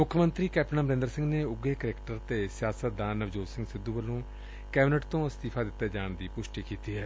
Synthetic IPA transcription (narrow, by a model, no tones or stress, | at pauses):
mʊkʰjəmə̃nt̪ɾiːkɛːpʈnaːməɾẽnd̪əɾsɪ̃ŋɡneːʊɡeːkəɾeːkʈəɾt̪eːsɪjaːsət̪̚d̪aːnəʋd͡ʒoːsɪ̃ŋɡsɪd̪ːuːʋəlõː | kɛːbɪnəʈt̪õːst̪iːpʰaːd̪ɪt̪ːeːd͡ʒaːɳd̪iːpʊʃʈiːkiːt̪iːɦɛː